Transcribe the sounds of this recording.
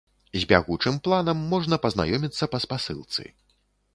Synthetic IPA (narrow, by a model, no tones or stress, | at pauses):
zʲbʲa̰ɣut͡ʂɨmplˠanɐmːɔʐnɐpɐzna̰jɔmʲit̪sːɐpɐspasɨ̰lˠt̪sɨ̰